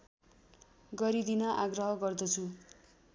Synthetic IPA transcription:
ɡʌɾid̪inʌʔaɡrʌɦʌɡʌrd̪ʌt͡sʰu

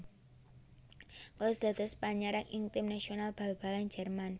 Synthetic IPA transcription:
kalosd̪̥a̤d̪ɔspaɲaɾaŋʔint̪ɪmnasionalb̥a̤lb̥aland͡ʒɛrman

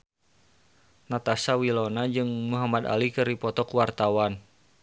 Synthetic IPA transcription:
nat̪asawilonad͡ʒɨŋmuɦamad̪a̰likɨɾipɔt̪ɔkuwart̪awan

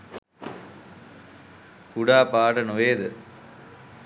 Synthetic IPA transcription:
kuɽaːpaːʈɐnuʋeːd̪ɨ

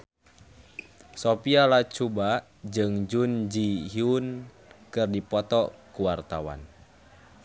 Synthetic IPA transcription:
sopialat͡ʃuba | d͡ʒɨŋd͡ʒund͡ʒiɦiun | kɨrdipɔt̪ɔkuwart̪awa̰n

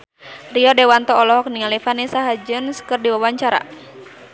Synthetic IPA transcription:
riɔdɛwant̪ɔɔlɔɦɔk̚niŋalifanisaɦad͡ʒənskɨrdiwawaɲt͡ʃaɾa̰

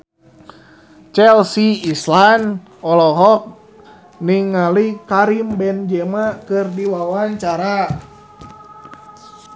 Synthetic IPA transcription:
t͡ʃɛlsiːslan | ɔlɔɦɔk̚ | niŋːalikaɾimbɛnd͡ʒɛmakɨrdiwawaɲt͡ʃaɾa

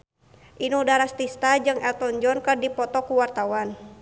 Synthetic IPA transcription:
ʔinudaɾast̪ist̪ad͡ʒɨŋɛlt̪ɔnd͡ʒɔnkɨrdipɔt̪ɔkuwart̪awan

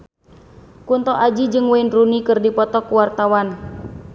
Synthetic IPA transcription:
kunt̪ɔʔad͡ʒid͡ʒɨŋwɛinrunikɨrdipɔt̪ɔkuwart̪awan

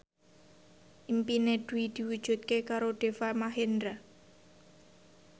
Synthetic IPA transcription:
ʔimpineɖ̪̥ṳid̪̥i̤wud̥ʒ̥ṳt̪̚kekaɾoɖ̪̥e̤famaɦend̪ɾa

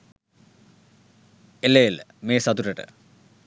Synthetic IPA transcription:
elːejlmeːsɐd̪uɾɐʈɨ̰

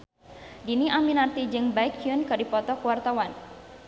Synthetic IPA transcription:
diniʔaminart̪id͡ʒɨŋbaɪkiunkədipɔt̪ɔkuwart̪awan

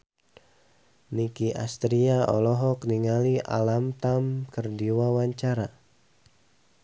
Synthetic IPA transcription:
nikia̰st̪ɾiaʔɔ̰lɔɦɔkniŋaliʔa̰lamt̪amkərdiwawaɲt͡ʃaɾa

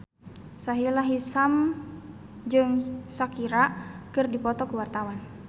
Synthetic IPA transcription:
saɦilaɦisam | d͡ʒɨŋsakiɾakɨrdipɔt̪ɔkuwart̪awan

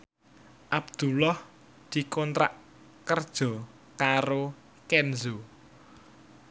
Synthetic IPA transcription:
ʔabd̪̥ulɔh | d̪̥i̤kɔnt̪ɾa̰ʔ | kərd̥ʒ̥ɔ̤ | kaɾo | kɛnzo

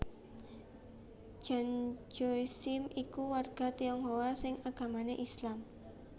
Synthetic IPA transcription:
d͡ʒ̥a̤nd͡ʒosɪmikuwarɡ̥a̤t̪iɔŋɦowasɪŋaɡ̥a̤maneʔislam

